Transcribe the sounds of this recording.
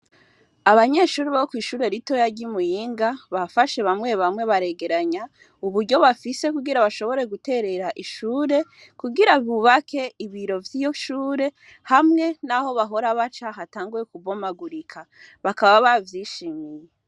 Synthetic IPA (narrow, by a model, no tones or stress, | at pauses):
aβaɲe̞ʃuːɾiβaokwiːʃuːɾe̞ɾito̞jaɾɟimujiːŋɡaβafaʃe̞βamŋe̞βamŋe̞βaɾe̞ɡe̞ɾaɲa | uβuɾɟo̞βafise̞kuɡiɾaβaʃo̞βo̞ɾe̞ɡute̞ɾe̞ɾaʔiʃuːɾe̞ | kuɡiɾaβuβakʰe̞iβiɾo̞vjiːjo̞ʃuːɾe̞ | hamŋe̞naho̞βaɦo̞ɾaβat͡ʃaɦataːŋɡuje̞kuβo̞maɡuɾikʰa | βakaβaβavjiːʃiːmije